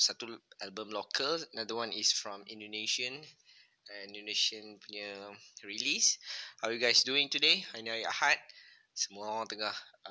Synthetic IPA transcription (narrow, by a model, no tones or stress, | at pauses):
satuɛlbə̃mlokʰələnadəwãnisfɹɔ̃mĩndoneʃə̃n | ɛ̃nĩndoneʃə̃npunəɹilishajuɡajsduĩŋtudeajnaia̰hat̚ | səmɔɔ̃tuɡah